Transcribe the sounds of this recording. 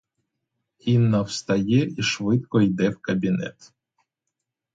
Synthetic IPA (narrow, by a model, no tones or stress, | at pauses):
inːawst̪ɐjɛiʃvɪt̪̚kɔjd̪ɛwkɐbʲinɛ̰t̪